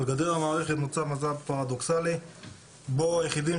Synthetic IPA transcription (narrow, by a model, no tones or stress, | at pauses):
lɡad̪eʁamaːʁeχet̪mot͡samazabpaʁad̪oksali | bojeχid̪im